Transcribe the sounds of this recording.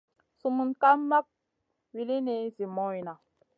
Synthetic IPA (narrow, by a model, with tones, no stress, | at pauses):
su˨mu˨nka˦mːa˦k̚ | wi˨li˦ne˨˦zi˨mɔ˦i˨na˨